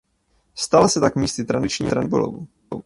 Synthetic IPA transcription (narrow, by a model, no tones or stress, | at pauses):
st̪alasɛt̪akmiːstɪt̪ɾadɪt͡ʃɲḭːt̪ɾanbo̰lo̰vṵ